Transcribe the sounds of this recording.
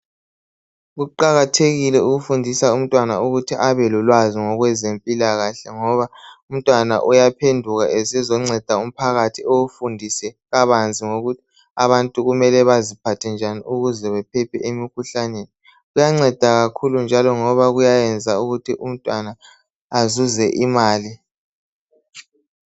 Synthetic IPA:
ɣuǃaɣatʰeɣilɛuɣufundʱisaum̩tʼwanauɣutʰiʔaβɛlulwaziŋɔɣwɛzempʼilaɣaɬɛŋɔβaum̩tʼwana̰ʔujapʰendʱuɣaʔesizɔŋ͡ǀɛd̥ʱaum̩pʰaɣatʰioufundʱisɛɣaβand͡zʱiŋoɣutʰi̥ | aβantʼuɣumɛlɛβazipʰatʰɛnd͡ʒʱanḭuɣuzɛβɛpʰɛpʰɛʔemikʰuɬaneːni | ɣujaŋ͡ǀɛd̥ʱaɣakʰulund͡ʒʱalɔŋɔβaɣujajɛnd͡zʱauɣutʰiʔum̩tʼwanaː | zuzɛʔimaːli

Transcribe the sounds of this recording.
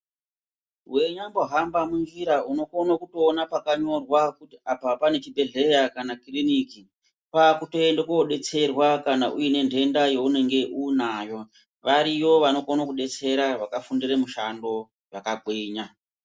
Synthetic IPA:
ɦwe̞ɲamboɦambamunʐiɾauno̞konokuto̞ːnapakaɲo̞rwakutiapapane̞t͡ʃibʱe̞ɮe̞jakanakiriniki | pakuto̞endekoɗe̞t͡se̞rwakanaʔujine̞ndʱe̞ndajo̞une̞ŋɡe̞ʔunaːjo̞ | ʋaɾiwo̞ʋano̞konakuɗe̞t͡se̞ɾaʋakafundiremuʃando̞ | jakaɓweːɲa

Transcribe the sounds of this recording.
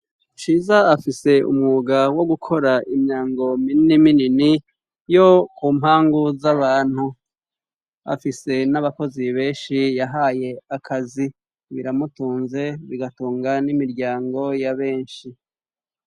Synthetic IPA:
ʃiːzaːfise̞ṵmŋuɡawo̞ɡukʰo̞ɾaʔimɲaːŋɡo̞mininiminini | jo̞kuːmhaːŋɡuzaβaːn̥hu | a̰fise̞naβako̞ziβe̞ːnʃijaɦaːje̞akʰazi | βḭɾamutuːnze̞βiɡatuːŋɡanimiɾɟaːŋɡo̞jaβe̞ːnʃi

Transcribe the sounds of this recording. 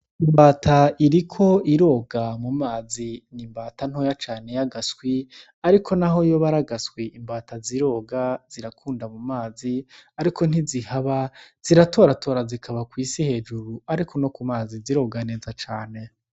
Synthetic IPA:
imbaːtʰaiɾikʰo̞iɾo̞ːɡamumaːzinimbaːtan̥ojat͡ʃaːne̞jaɡaswi | aɾikʰo̞naɦo̞jo̞βaɾaɡaskwiʔimbaːtaziɾo̞ːɡaz̥iɾakʰuːndamumaːziaɾikʰo̞n̥izihaβaz̥iɾatʰo̞ːɾatʰo̞ːɾazikʰaβakwiːsihe̞ːd͡ʒuɾuaɾikʰo̞no̞kumaːziziɾo̞ɡane̞ːzat͡ʃaːne̞

